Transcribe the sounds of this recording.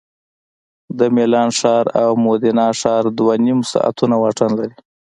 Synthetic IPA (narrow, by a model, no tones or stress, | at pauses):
d̪əmelɑnʂɑɾa̰wmod̪inɑʂɑɾd̪wanimsɑ̰ʔa̰t̪ʰunawɑʈanlaɾi